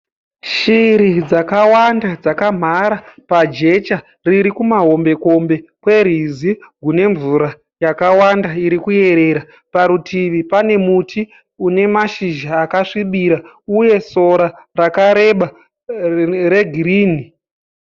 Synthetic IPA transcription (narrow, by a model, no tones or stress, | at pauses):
ʃiɾid͡zakawandad͡zakam̤aɾapad͡ʒe̞t͡ʃa | riɾikumaɦo̞mbe̞ko̞mbe̞kwe̞riziɡʱune̞ɱvuɾa | jakawandaiɾikuje̞ɾe̞ɾa | paɾutʰiʋipane̞muti | une̞maʃiʒaːkaʂiɓiɾa | uje̞so̞ɾarakaɾe̞ɓa | re̞ɡʱiriːni